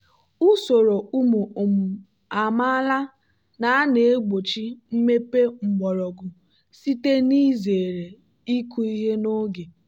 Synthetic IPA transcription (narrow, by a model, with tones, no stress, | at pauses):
u˦so˨ɾo˨u˦mo˨o˨m̩˨ | a˨ma˦a˦la˦ | na˨˦ne˨e˦ɡ͡bo˨t͡ʃi˦m̩˦me˦pe˦ŋ͡m̩˨ɡ͡bɔ˨ɾɔ˨ɡʊ˨ | si˦te˦ni˦ze˨ɾe˨ | i˦ku˦i˦ɦe˦no˦ɡe˨